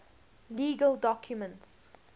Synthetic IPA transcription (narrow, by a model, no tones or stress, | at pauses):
liːɡəldɔkʰjumə̃nts